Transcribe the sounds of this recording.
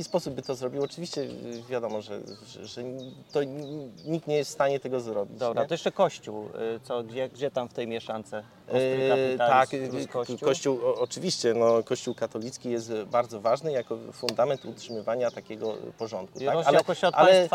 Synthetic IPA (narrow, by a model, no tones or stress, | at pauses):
kʲispɔsub̚bːɘt̪ɔzɾɔbʲiwɔt͡ʂɘvʲiɕt͡ɕɛvʲjad̪ɔmɔʐɛ̰ | ɛʐɛt̪ɔɲik̚t̪ɲɛjɛst̪st̪aɲɛt̪ɛɡɔzɾɔbʲḭdt͡ɕ̪ɔbɾat̪ɔjɛʂt͡ʂɛkɔɕt͡ɕuwt̪sɔɡd͡ʑɛɡd͡ʑɛt̪amft̪ɛjmʲjɛʂant̪sɛ | t̪akkɔkɔɕt͡ɕuwɔt͡ʂɘvʲiɕt͡ɕɛnɔkɔɕt͡ɕuwkat̪ɔlʲit̪skʲijɛst̪baɾd̪zɔvaʐnɘjakɔfund̪amɛnt̪utʂɘmɘvaɲat̪akʲɛɡɔ̰pɔʐɔnt̪̚kut̪akalɛkɔɔʔalɛ